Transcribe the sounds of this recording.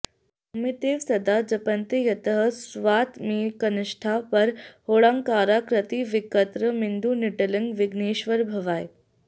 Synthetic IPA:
ɐmit̪eːʋsɐd̪ad͡ʒɐpɐnt̪ejɐt̪əɦə̆sʋaːt̪miːkɐnɪʂʈʰapɐɾhoːɭaŋkaːɾaːkɾɐt̪iʋikət̪ɾəmind̪unɪʈɐliŋɡʋɪɡneːʃʋəɾbʱɐʋaːj

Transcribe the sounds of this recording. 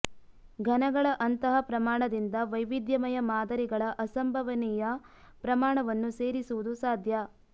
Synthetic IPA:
ɡʱɐnɐɡɐɭɐʔɐnt̪ɐɦɐpɾɐmaːɳɐd̪ind̪ɐʋɐjʋid̪jɐmɐjɐmaːd̪ɐɾiɡɐɭɐʔɐsɐmbʱɐʋɐnijɐ | pɾɐmaːɳɐʋɐnːuse̞ːɾisuʋud̪usaːd̪ʱjɐ

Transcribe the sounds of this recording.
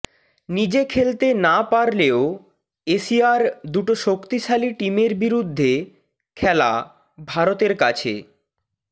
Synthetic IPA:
nid͡ʑekʰelt̪enapaɾleo | eʃiaɾd̪uʈoʃokt̪iʃaliʈimeɾbiɾud̪ʱːe | kʰɛla̰ | bʱaɾot̪eɾkat͡ɕʰḛ

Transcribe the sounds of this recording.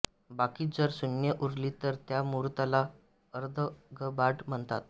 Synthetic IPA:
bakiːd͡zəɾsunjəʔuɾliːt̪əɾt̪jamuɾt̪ala | əɾd̪ʱəɡəbaʈm̤əɳt̪at̪̚

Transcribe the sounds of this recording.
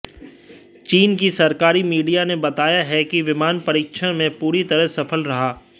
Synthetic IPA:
t͡ʃiːnkisɐɾkaːɾimiːɖijanebɐt̪aːjaɦɛkiʋɪmaːnpɐɾiːkʃʰəɽ̃mẽpuːɾit̪ɐɾəɦsɐfʰəlɾɐɦaː

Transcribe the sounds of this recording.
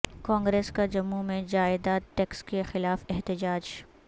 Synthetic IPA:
kãːŋɡɾeːskad͡ʒɐmːumẽd͡ʒaːɪd̪aːʈɛːkskexɪlaːfɛɦt̪ɪd͡ʒaːd͡ʒ

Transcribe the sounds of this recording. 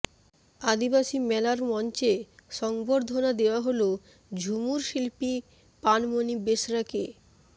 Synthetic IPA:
ad̪ibaʃimɛlaɾmɔnt͡ɕeʃɔŋboɾd̪ʱonad̪eoaɦolo | d͡ʑʱumuɾʃilpi | panmonibeʃɾake

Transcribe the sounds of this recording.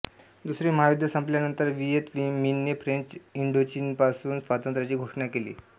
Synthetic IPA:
d̪usɾiːməɦaʋid̪ʱjasəmpljanənt̪əɾʋiet̪ʋiminjefɾẽɲt͡ɕiɳɖot͡ɕinpasuːnsʋat̪ənt̪ɾat͡ɕiːɡʱoʂɳakelḭː

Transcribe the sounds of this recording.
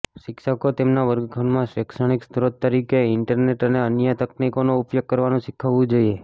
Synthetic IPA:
ʃɪkʃakot̪emnaʋəɾɡɡʱənmãʃʋekʃəɽ̃ikst̪ɾod̪̚t̪ːəɾikeɪɳʈəɾneʈəneənjət̪əknikonoupjoɡ̚kːəɾʋanũʃɪkʰəʋũd͡ʒoie

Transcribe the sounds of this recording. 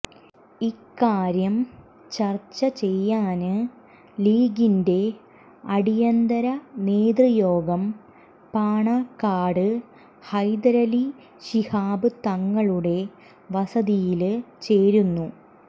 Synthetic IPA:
ikːaːɾjɐm | t͡ɕɐrt͡ɕːɐt͡ɕe̞jːaːnɨ | liːɡinde̞ | ɐɽijɐnd̪ɐɾɐneːd̪rijo̞ːɡɐm | paːɳakːaːɽɨ | hɐjd̪ɐɾɐli | ɕihaːbɨt̪ɐŋːɐɭuɽe̞ | ʋɐsɐðijilt͡ɕe̞ːɾunːu

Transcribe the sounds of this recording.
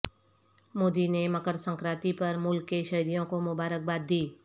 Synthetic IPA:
moːd̪ineməkəɾsə̃ŋkɾaːt̪ipɐɾmʊlkːeʃɐɦɾijõkomʊbaːɾək̚baːd̪̚ːiː

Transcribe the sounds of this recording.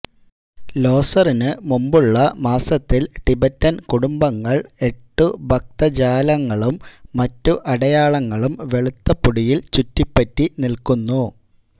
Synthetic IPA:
lo̞ːsɐrinɨmumbuɭːɐmaːsɐt̪ːilʈibɐtːɐnkuɽumbɐŋːɐɭe̞ʈːubʱɐk̚t̪ɐd͡ʑaːlɐŋːɐɭumːɐtːuʔɐɽɐjaːɭɐŋːɐɭumʋe̞ɭut̪ːɐpːuɽijilt͡ɕutːipːɐtːinilkunːu

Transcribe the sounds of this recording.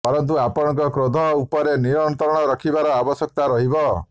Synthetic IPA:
pɔɾɔnt̪uapɔɽ̃ɔ̃ŋkɔkɾod̪ʱɔupɔɾeniɾɔɽ̃ɔt̪ɔɾɔɽ̃ɔɾɔkʰibaɾɔabɔsjɔk̚t̪aɾɔɦibɔ

